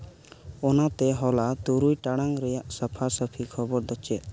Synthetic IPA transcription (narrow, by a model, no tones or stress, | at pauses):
ɔnat̪ɛɦɔlat̪uɾujʈaɽ̃aŋɾɛjaʔsəpʰasəpʰikʰɔbɔɾd̪ɔt͡ʃɛ